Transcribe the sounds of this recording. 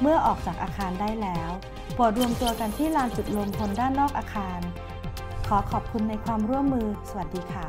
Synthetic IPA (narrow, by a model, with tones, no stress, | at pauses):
mɯ˥˩ɐʔɔː˨˩k̚t͡ɕaː˨˩k̚ʔaː˧kʰaː˧ndaː˥˩jlɛː˦˥w | pu˨˩t̪̚ɾu˧əmt̪u˧ɐka˧nt̪ʰiː˥˩laː˧nt͡ɕu˨˩t̪̚lo˧mt̪ʰo˧ndaː˥˩nːɔː˥˩k̚ʔaː˧kʰaː˧n | kʰɔː˩˦kʰɔː˨˩p̚kʰu˧nːa˧jkʰwaː˧mɾu˥˩əmːɯː˧sa˧wa˨˩diː˧kʰaː˥˩